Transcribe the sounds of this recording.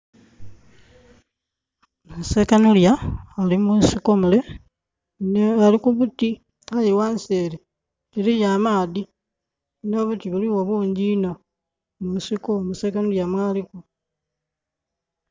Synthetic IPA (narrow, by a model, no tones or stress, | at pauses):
musekanuljaːlimusikomule | alikuβuti | ajiwanseːɾe | elijaːmaːði | no̞βutiβuliwoβuːɲɟiːno | musikomuseːkanuljamwaːliku